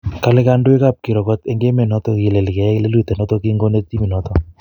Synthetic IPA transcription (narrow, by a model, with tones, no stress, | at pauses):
ka˦le˦ka˦ndwe˦ka˦˨p̚ki˨ɾɔ˨kɔ˦t̪e˦ŋɡe˦me˨nɔ˦t̪ɔ˦ki˨le˨li˨kɛ˨ɛ˦le˦lu˦˨t̪e˨nɔ˦t̪ɔ˦ki˦ŋɡo˦ne˦tti˦mi˨nɔ˨t̪ɔ˦